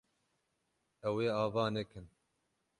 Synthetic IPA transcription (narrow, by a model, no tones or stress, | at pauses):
ɛweːɑːvɑːnɛkɨn